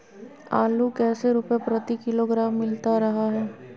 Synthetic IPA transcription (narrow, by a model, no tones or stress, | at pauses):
aːlukɛːseɾʊpjapɾɐt̪ikɪloɡɾaːmːɪlt̪aɾɐɦaɦɛː